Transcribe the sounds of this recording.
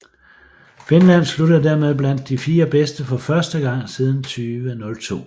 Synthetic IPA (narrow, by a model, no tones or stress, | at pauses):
fe̝nlæn̰sluɾð̩ˠd̥æɐ̰með̞ˠb̥læn̰d̥ːifiːɐb̥esd̥əfɒ̽fɶɐsd̥əɡ̥ɑ̈ŋ̰sið̞ˠn̩t͡sʰyːʋənɔ̽lt͡sʰo̝̰ː